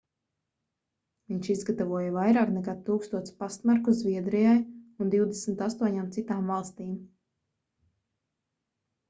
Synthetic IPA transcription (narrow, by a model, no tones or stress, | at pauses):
viɲʃizɡat̪avuɔjavajɾaːknɛkaːt̪uːkst̪uɔspast̪maɾkuzvʲiɛd̪ɾijajund̪iwd̪esmt̪ast̪uɔɲaːmt̪sit̪aːmvalˠst̪iːm